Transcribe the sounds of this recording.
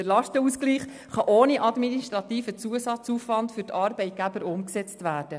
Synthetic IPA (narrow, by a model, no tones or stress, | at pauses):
əlɑʃtəuskliːχ | χɑʔoːniʔɑd̪miniʃtɾɑt̪iːfət͡suəsɑt͡suːfʋɑndfʏɾtʰɑːɾbɛɪt̚ɡ̥æbəɾʊmksɛt͡stʋæːrd̥ə